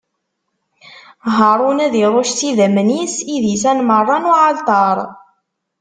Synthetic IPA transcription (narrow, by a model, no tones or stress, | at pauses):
ɦəɾˤunæðiɾˤoʃt͡sːiðæmənisiðisænmərˤːɑnuʕalt̪ˤɑɾˤ